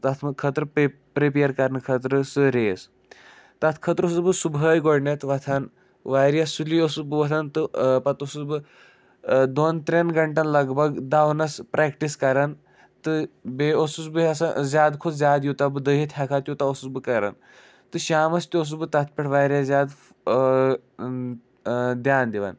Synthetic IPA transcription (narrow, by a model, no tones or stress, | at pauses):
t̪ɐt̪ʰmɨkʰət̪ɾɨ | pɾipeɐɾkɐɾnɨkʰət̪ɾɨsɨɾeːs | t̪ɐt̪ʰkʰɐt̪ɾosusbɨsubəːjɡoɽnɐt̪ʰʋɐt̪ʰan | ʋaːɾjɐsuliosubɨʋɐt̪ʰant̪ɨpɐt̪osusbɨ | d̪oːnt̪ɾʲɐnɡɐɳʈɐnlɐɡbʱɐɡd̪aːwnɐspɾɛkʈiskɐɾan | t̪ɨbeosusbɨɐsazʲjaːd̪kʰozʲjaːd̪jut̪abɨd̪əɦit̪ʰʲakʰaːt̪jut̪aosusbɨkɐɾa̰n | t̪ɨʃaːmɐst̪ʲios̬ubɨt̪ɐt̪̚ʰpʲɐʈʰʋaːɾʲjazʲjaːd̪ | d̪jaːnd̪iʋa̰n